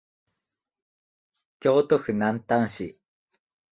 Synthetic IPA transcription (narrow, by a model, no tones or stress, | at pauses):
kjoːt̪oxɯnant̪aŋɕi